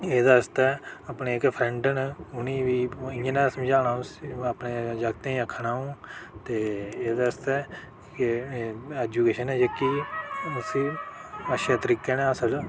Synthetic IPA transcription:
eːd̪aəst̪ɛːəpneːɪkpʰɾɛɳɖənʊnĩːʋiːɪə̃naːsəmd͡ʒaːnãːəpneːd͡ʒaɡt̪ẽːĩəkʰːnaːũːt̪eːeːd̪aːəst̪ɛː | k | ɛːd͡ʒuːkeːʃənɛːd͡ʒekːi | siːəʃaːt̪əɾiːkeːnɛ̃ːəsəl

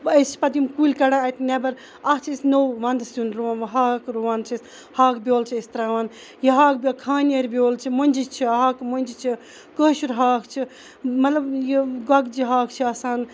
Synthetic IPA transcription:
əst͡ʃʰi̥pɐd̪imkulʲkɐɽaɐt̪nebɐɾ | ɐht͡ʃʰisnowʋɐnd̪sunɾuʋaːnɐɦaːkɾuʋaːnt͡ʃʰis | haːkbʲjoːlt͡ʃʰiist̪ɾaːʋaːn | jiɦaːk̚bʲjokʰaːneɾbjoːlt͡ʃʰimɐnʲd͡ʒit͡ʃʰiɦaːkmonʲd͡ʒit͡ʃʰi | kəːʃuɾɦaːkt͡ʃʰi | mɐt̪lɐbjiɡɐɡd͡ʒiɦaːkt͡ʃʰiɐsaːn

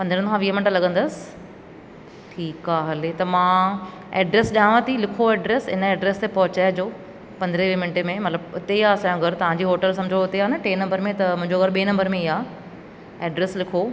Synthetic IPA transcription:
pɐ̃nd̪ɾə̃kʰãʋiːɦmɪnʈlɐɠə̃nd̪əsɪ̥ | ʈʰiːkaːɦɐlet̪ɐmãː | eːɖɾeːsʄãːʋãt̪ʰilɪkʰoɛːɖɾeːsɪ̰nəɛːɖɾeːst̪epɐɦʊt͡ɕaːjd͡ʑoː | pɐ̃nd̪əɾeʋiːmɪɳʈemẽmɐt̪ləbʊt̪eiaːsãːjõɡʱɐɾt̪ɐʋ̤ãːɲd͡ʑiːɦoːʈəlsɐ̃md͡ʑʱoʊt̪eaːnɐʈeːnɐ̃mbəɾmẽt̪ɐmʊ̃ɦɪ̃ɲd͡ʑoɣɐɾɓeːnɐ̃mbəɾmẽiɦaː | eːɖɾeːslɪkʰo

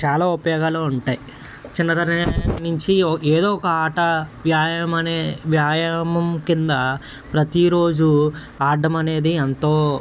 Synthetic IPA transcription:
t͡ʃaːlaːupɐjoːɡaːloːuɳʈaːji | t͡ʃinːɐt̪ɐɾinuɲt͡ʃiɔeːd̪oːɔkɐaːʈɐʋjaːjɐmɐneːʋjaːjɐmɐmkind̪ɐ | pɾɐt̪iɾo̞ːd͡ʒu | aːɾɖɐmɐne̞ːd̪iɐnt̪oː

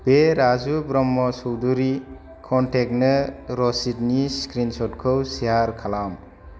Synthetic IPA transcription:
b̥eɾazubɾɔmːɔsɔwduɾi | kʰɔntʰek̚nɯɾɔsit̚niskɾinsɔtkʰɯwsiaɾkʰalam

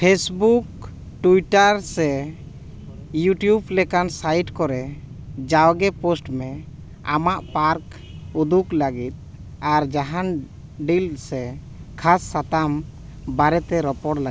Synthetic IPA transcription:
pʰesbuk̚ | ʈuiʈaɾsɛ | juʈjublɛkansajʈkɔɾɛ | d͡ʒawɡɛposʈmɛ | a̰maʔpaɾk | ud̪ukləɡit̪̚ | aɾd͡ʒaɦan | ɖilsɛ | kʰasːat̪am | baɾɛt̪ɛɾɔpɔɽla

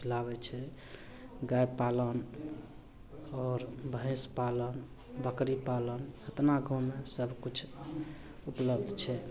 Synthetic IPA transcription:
kʰilaβɛt͡ʃʰɛ | ɡajpalən | ɔːɾbəɦẽspalən | bəkɾipalənət̪naɡʱomesəbʱkut͡ʃʰ | upləbd̪ʱt͡ʃʰɛ

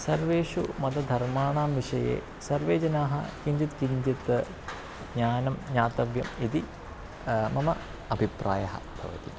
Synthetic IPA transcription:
sɐrʋeːʂumɐd̪ɐd̪ʱɐrmaːɳaːmʋiʂɐjḛː | sɐrʋeːd͡ʑɐnaːɦɐ̰kiɲd͡ʒit̪kiɲd͡ʒit̪ɨ | ɲaːnɐmɲaːt̪ɐʋjɐmit̪i | mɐmɐ | ɐbʱipɾʔa̰ːjɐɦɐ̰b̥ʱɐ̰ʋɐ̰t̪ḭ

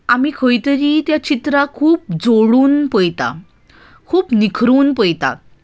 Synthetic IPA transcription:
amiːkʰojt̪əɾiːt̪jat͡ɕit̪ɾakʰuːp̚d͡zoɽuːnpəjt̪a̰ | kʰuːpnikʰɾuːnpəjt̪a̰

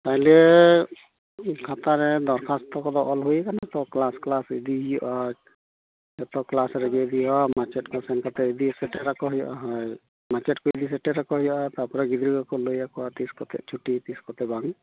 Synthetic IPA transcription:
t̪aɦĩlɛ | kʰat̪aɾɛd̪ɔɾkʰastɔkɔd̪ɔʔɔlɦujɛkanat̪ɔklasklasid̪iɦijɔʔa | jɛt̪ɔklasɾɛɡɛd̪iɔmat͡ʃɛtkasɛnkʰat̪ɛid̪isɛʈɛɾakɔɦɔjɔ̰ʔaɦɔj | mat͡ʃɛt̚kɔid̪isɛʈɛɾakɔɦɔjɔʔat̪apɔɾaɡid̪ɾiɡakɔlojakʰɔat̪iskɔt̪ɛ̰t͡ʃʰuʈit̪iskɔt̪ɛbaŋ

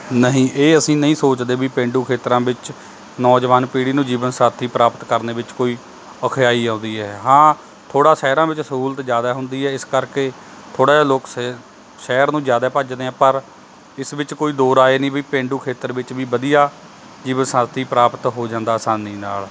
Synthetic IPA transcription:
nəɦĩːʔeːəsĩːnəɦĩːsoːt͡ʃd̪eːbiːpẽːɳɖuːkʰeːt̪ɾãːbɪt͡ʃ | nɔːd͡ʒʋaːnpiːɽiːnũːd͡ʒiːʋənsãːt̪ʰiːpɾaːpət̪kəɾneːʋɪt͡ʃkoːiː | əkʰjaːiːãːʊ̃nd̪iːɦɛːɦãː | t̪ʰoːɽaːʃɛːɾãːʋɪt͡ʃsəɦuːlət̪d͡ʒjaːd̪aːɦʊnd̪iːɦɛːɪskəɾkeː | t̪ʰoːɽaːloːks | ʃɛːɾnũːd͡ʒjaːd̪aːpəd͡ʒd̪eːɛ̃ːpəɾ | ɪsʋɪt͡ʃkoːiːd̪oːɾaːeːnĩːbiːpẽːɳɖuːkʰeːt̪əɾʋɪt͡ʃʋiːbəd̪ijaː | d͡ʒiːʋənsãːt̪ʰiːpɾaːpət̪ɦoːd͡ʒãːnd̪aːsaːniːnaːl

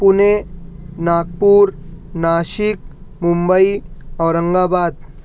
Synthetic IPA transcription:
punenaːɡ̚puːɾnaʃik̚mumbəiɔʋɾəŋɡabaːd̪̚

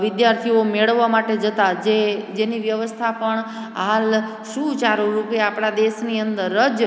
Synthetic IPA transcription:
ʋɪd̪jaɾt̪ʰiomeɭəʋːamaʈed͡ʒət̪ad͡ʒed͡ʒeniʋjəʋəst̪ʰapəɳ | ɦal | ʃũt͡ʃaɾuɾupjaapɽ̃ad̪eʃniənd̪əɾːəd͡ʒ

